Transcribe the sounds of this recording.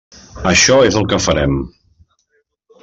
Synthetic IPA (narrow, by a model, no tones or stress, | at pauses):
əʃɔezəlˠkəfəɾɛm